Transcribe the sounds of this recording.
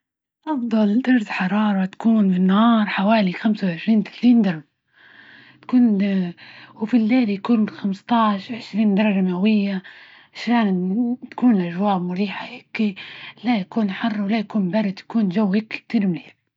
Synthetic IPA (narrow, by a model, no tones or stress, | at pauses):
ʔɑfd̪ˤɑld̪ɑɾˤsħɑɾˤɑːɾˤɑt̪ḁkuːnfɪnːhɑːɾˤħawaːlixamsawʕɪʃɾiːnt̪ɪ̥θiːnd̪ɑɾˤɑb | t̪kuːn | wfilːeːljakuːnxamst̪ˤɑʕʃʕɪʃɾiːnd̪ɑɾˤɑʒamawɪjːa | ʕɪʃɾaːnt̪ḁkuːnʔaʒwaːbmʊɾiːħahɪkːilajakuːnħɑrˤːwɪlajakuːnbaɾˤɪd̪jḁkuːnʒawːhɪkːi̥k̚t̪iːɾmɪleːl